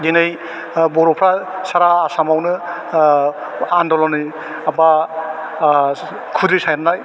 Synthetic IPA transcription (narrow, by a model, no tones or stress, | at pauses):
dinɯj | bɔɾɔpʰɾasaɾaːsamawnɯ | andɔlɔnɯ | aba | kʰudisajnanaj